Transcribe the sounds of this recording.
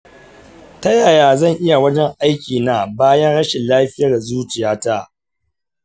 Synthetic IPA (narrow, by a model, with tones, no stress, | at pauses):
tɐ˦jaː˨jaː˨zɐ˦˨ŋʔɪ˦ja˨wɐ˦d͡ʒɛ˦ŋʔa˦jkʲiː˨na˦baː˦jɐ˦nɽɐ˦ʃɪ˨nlaː˦ɸɪ˦jɐ˨rda˨zuː˦t͡ʃɪ˨jaː˦ta˦